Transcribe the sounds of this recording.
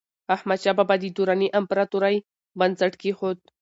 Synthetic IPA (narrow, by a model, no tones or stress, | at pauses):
ahmat͡ʃʃababad̪id̪uɾaniʔampaɾat̪uɾaj | bansaʈkixot̪̚